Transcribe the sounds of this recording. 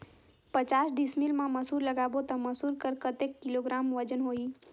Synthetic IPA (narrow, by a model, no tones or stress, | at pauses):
pət͡ʃaːsɖɪsmilmãməsuːɾləɡaːbot̪ɐ̃mɐsuːɾkəɾkət̪ekːɪloɡɾaːmʋəd͡ʒənɦoːiː